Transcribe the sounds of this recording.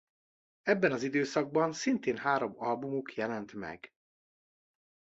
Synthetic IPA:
ɛbːɛnɒzid̪øːsɒɡ̚bɒnsint̪eːnɦaːɾo̞mɒlbumukjɛlɛnt̪mɛ̰ɡ

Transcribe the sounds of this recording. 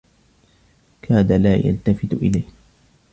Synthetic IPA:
kʰaːd̪alaːja̰lt̪afɪt̪ʔɪ̰lajh

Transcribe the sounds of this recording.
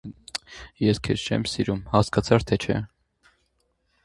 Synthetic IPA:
jɛskʰɛ̰st͡ʃʰɛ̰msiɾumhɑskɑt͡sʰɑɾt̪ʰɛt͡ʃʰɛ̰

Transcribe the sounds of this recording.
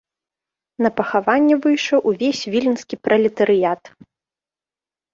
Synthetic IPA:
nɐpɐxavanʲːɛvɨjʂɐwʔuvʲesʲvʲilʲinskʲipɾʔɐlʲɛt̪ɐɾɨjat̪

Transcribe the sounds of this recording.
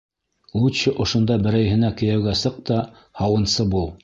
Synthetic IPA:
uɕɘʔŏʃŏnd̪ɑbɘ̆ɾæjɦɘ̆nækɘ̆jæwɡæsɤq̚t̪ɑ | hɑwɤ̆nsɤbulˠ

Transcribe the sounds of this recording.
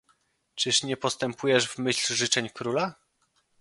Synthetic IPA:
t͡ʂɘʂɲɛpɔst̪ɛmpʰujɛʐvmɘɕlʐɘt͡ʂɛɲkɾula

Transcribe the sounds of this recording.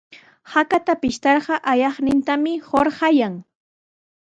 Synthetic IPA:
hakat̪apɪʃt̪ɑɾɢɑʔajɑχnɪnt̪amɪhoɾɢɑjaŋ

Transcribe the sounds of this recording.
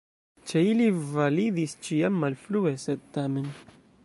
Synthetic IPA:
t͡ʃe̞ilivalidist͡ʃiamːalflue̞sed̪̚tame̞n

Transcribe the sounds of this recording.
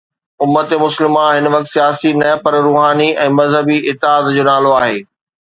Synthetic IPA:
ʊmːət̪emʊsəlɪmãɦɪnəʋɐk̚t̪sijaːsinɐpɐɾɾuːɦaːniʔɛ̃ːmɐzɦəbiʔɪt̪ːɪaːd̪d͡ʑoːnaːloaːɦeː

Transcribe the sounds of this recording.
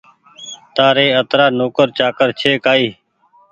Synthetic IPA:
t̪aːɾeːət̪ɾaːnoːkəɾt͡ʃaːkəɾt͡ʃʰeːkaːiː

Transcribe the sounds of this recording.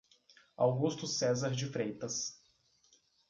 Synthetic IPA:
a̰wɡust̪ʊsɛzaɾd͡ʒɪfɾejt̪ɐs

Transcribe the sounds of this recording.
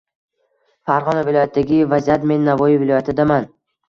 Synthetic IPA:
faɾʁɒnavɪlˠɒjat̪ʰːd̪aɡʲɪvazijat̪me̞nːavɒjivɪlˠɒjat̪ʰɪd̪aman

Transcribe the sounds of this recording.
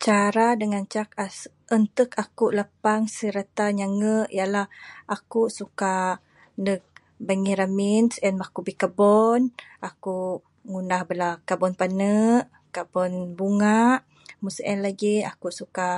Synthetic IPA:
t͡ʃaɾadəŋant͡ʃak̚a | ʔənt̪əkakuʔləpaŋsəɾat̪aɲaŋəʔjalahʔakuʔsuka | nək̚ | baŋiɾaminsɛnmakubikabɔnʔakuʔ | ŋunahbəlakabɔnpanəʔ | kabɔnbuŋaʔ | musʔɛnlaɡia̰kuʔsuka

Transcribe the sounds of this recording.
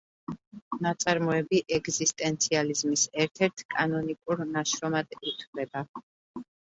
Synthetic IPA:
nat̪sʼaɾmɔɛbiʔɛɡzist̪ʼɛnt̪sʰializmisɛɾt̪ʰɛɾt̪ʰkʼanɔnikʼuɾnaʃɾɔmad̪it̪ʰvlɛba

